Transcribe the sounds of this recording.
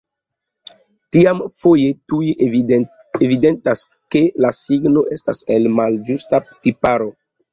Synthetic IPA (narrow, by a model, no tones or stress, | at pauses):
tiamfo̞je̞tui | evide̞ntas | ke̞lasiɡno̞ʔe̞stase̞lmald͡ʒustaptipaɾo̞